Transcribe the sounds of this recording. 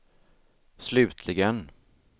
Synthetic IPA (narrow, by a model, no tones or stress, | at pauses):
slʉ̟ːt̪ʰlɪɡən